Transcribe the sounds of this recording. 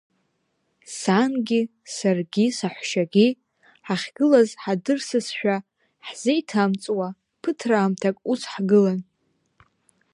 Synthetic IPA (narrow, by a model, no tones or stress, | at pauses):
sanɡʲi | sarɡʲisaħʷʃaɡʲi | ħaχʲɡ̥ɨlazħadɨrsɨsʃᶣa | ħz̥ijtʰamt͡sʼwa | pʰɨtʰraːmtʰakʼusħɡɨlan